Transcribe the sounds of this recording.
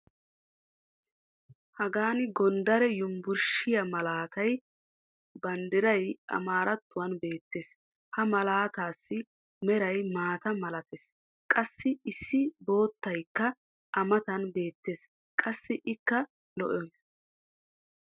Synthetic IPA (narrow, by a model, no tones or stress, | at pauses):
hɐɡaːnɪɡɔnd̪ɐɾɛjʊmbʊɾʃɪjɐmɐlaːt̪ɐj | bɐnd̪ɪɾɐjɐ̰maːɾɐt̪ːʊwɐnbe̞ːt̪ːe̞ːs | hɐmɐlaːt̪aːsːɪ | mɛɾɐjmaːt̪ɐmɐlɐt̪es | kʼɐsːɪɪsːɪbo̞ːt̪ːɐjkːɐ | ʔɐmɐt̪ɐnbe̞ːt̪ːe̞ːs | kʼɐsːɪʔɪkːɐ | lɔ̰ʔɔjs